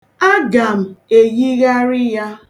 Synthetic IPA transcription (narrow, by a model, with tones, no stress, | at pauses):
a˦ɡa˨m̩˨e˨ji˦ɣa˦ɾɪ˦ja˦